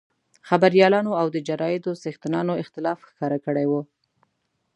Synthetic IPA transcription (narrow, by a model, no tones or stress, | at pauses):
xabaɾjɑlɑnoawd̪əd͡ʒaɾɑjɪd̪osext̪ɪnɑnoɪxt̪ɪlɑfxkɑɾakəɽajwu